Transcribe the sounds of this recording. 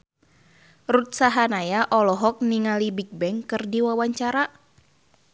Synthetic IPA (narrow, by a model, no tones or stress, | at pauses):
rut̪̚saɦanajaʔɔlɔɦɔk̚niŋalibik̚bɛŋkɨrdiwawaɲt͡ʃaɾa